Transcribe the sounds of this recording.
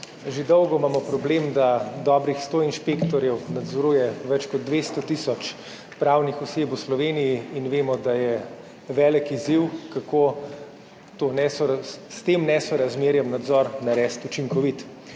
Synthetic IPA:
ʒed̪ɔwɡɔmaːmɔpɾɔblemd̪ad̪ɔːbɾixst̪oːinʃpekt̪ɔɾjɛwnad̪zɔɾuːjɛʋɛt͡ʃkɔd̪̚d̪ʋeːst̪ɔt̪iːsɔt͡ʃ | pɾaːwnixɔseːpwslɔʋeːnijiinʋeːmɔd̪ajɛ | ʋɛːlɛkiziwkakoː | t̪onɛsɔst̪emnɛsɔɾazmeːɾjɛmnad̪zɔːɾnaɾɛst̪ut͡ʃiŋkɔʋit̪

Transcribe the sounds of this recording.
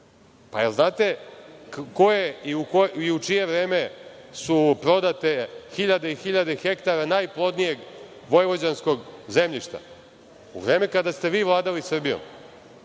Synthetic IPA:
paelznaːt̪e̞ | ko̞jeiukoiut͡ʂije̞ʋɾe̞ːme̞supɾo̞d̪at̪e̞xiʎad̪eixiʎad̪e̞xe̞kt̪aɾanajplˠo̞d̪nije̞ɡ | ʋo̞jeʋo̞d͡ʑansko̞ɡze̞mʎiʃt̪a̰ | ṵvɾe̞ːme̞kad̪ast̪e̞ʋiːʋlˠaːd̪alisr̩bijo̞̰m

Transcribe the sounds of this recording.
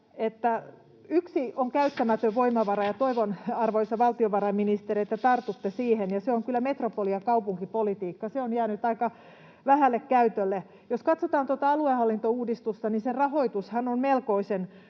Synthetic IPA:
et̪ːæ | yksioŋkæyt̪ːæmæt̪øʋʋoimɑʋɑrɑjɑt̪oiʋonɑrʋoisːɑʋɑlt̪ioʋɑɾɑminist̪eɾiet̪ːæt̪ɑrt̪ut̪ːesiːhenjɑseoŋkylːæmet̪ropoliɑkɑupuŋkipolit̪iːkːɑseonjæːnyt̪ɑikɑ | ʋæhælːekkæyt̪ølːe | joskɑt̪sot̪ɑːnt̪ot̪ɑɑluehɑlːint̪ouːdist̪ust̪ɑninserrɑhoit̪ushɑnonmelkoisen

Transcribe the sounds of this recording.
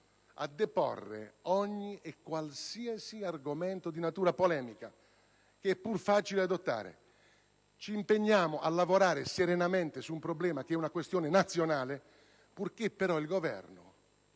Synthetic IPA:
a̰d̪ːɛpɔ̰rːḛɔɲːiekːwalsiasiarɡomɛnt̪od̪inat̪uːɾapolɛːmika | keɛpːurfaːt͡ʃilead̪ot̪ːa̰ːɾḛ | t͡ʃiːmpeɲːaːmʊʔalːavoɾaːɾɪseɾenament̪ɪsuːmpɾoblɛːmak̟ɛunakwest̪jɔːnenat̪sːjonaːle | purkepːeɾɔilɡovɛ̰rnʊ̰

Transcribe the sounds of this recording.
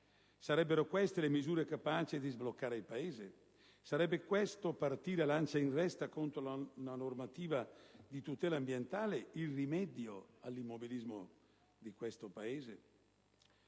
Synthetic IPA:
saɾɛbːeɾokwɛst̪elemizuːɾekapaːt͡ʃid̪izblokːaːɾeilpaeːze | saɾɛbːekwɛst̪opart̪iːɾealant͡ʃainrɛst̪akont̪ɾolnanormat̪iːvad̪it̪ut̪ɛːlambjent̪aːleilrimɛd̪joalːimːobilizmo | d̪ikwɛst̪opaeːze

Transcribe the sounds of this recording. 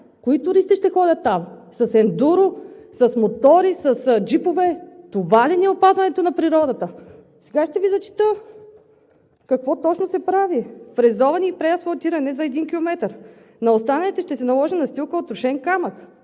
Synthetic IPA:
koit̪ʊɾisiʃt̪ɛxɔdʲɐt̪ːamsɐsɛnd̪uɾʊsɐsmot̪ɔɾisɐsd͡ʒipovɛt̪ovaliniɛopazvɐnɛt̪onɐpɾiɾɔd̪ət̪ə | sɛɡaʃt̪ɛvizɐt͡ʃi̥t̪ə | kɐkvɔt̪ɔt͡ʃnosɛpɾavipɾɛzɔvɐniːpɾɛɐsfɐt̪iɾɐnɛzɐɛd̪inkʲilˠomɛt̪əɾ | nɐost̪anɐlit̪ɛʃt̪ɛsɛnɐlˠɔʒinɐst̪ilˠkəot̪ɾʊʃɛnkamək

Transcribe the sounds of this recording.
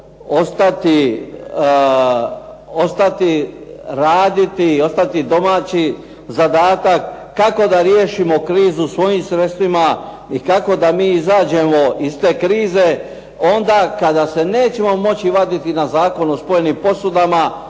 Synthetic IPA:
o̞st̪at̪i | o̞st̪at̪iɾaːd̪it̪io̞st̪at̪id̪o̞maːt͡ɕi | zad̪aːt̪akː | ako̞d̪aɾjeːʃimo̞kɾiːzusʋo̞jimsɾe̞t̪st̪ʋima | ikako̞d̪amiːizaːd͡ʑe̞mo̞ist̪e̞ːkɾiːze̞ | o̞nd̪akad̪ase̞ne̞ːt͡ɕe̞mo̞mo̞t͡ɕiʋad̪it̪inazaːko̞no̞spo̞jenimpo̞sud̪ama

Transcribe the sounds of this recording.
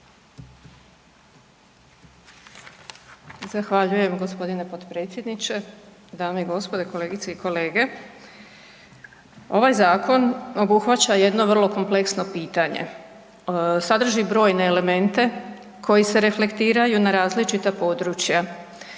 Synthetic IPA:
zaxʋaʎuje̞mɡo̞spo̞d̪ine̞po̞t̪pɾe̞ːt̪sʲje̞d̪nit͡ɕe̞d̪aːmeiɡo̞spo̞d̪eko̞le̞ːɡit̪seiko̞le̞ːɡe̞ | o̞ʋajzaːkʰo̞no̞buxʋat͡ɕaje̞d̪no̞ʋər̩lˠo̞ko̞mple̞ksno̞piːt̪aɲḛ | sad̪r̩ʒibɾo̞ːjne̞ːle̞me̞nt̪e̞ | kʰo̞jise̞ɾe̞fle̞kt̪iːɾajunaɾaːzlit͡ʃit̪apo̞ːd̪ɾuːt͡ɕja

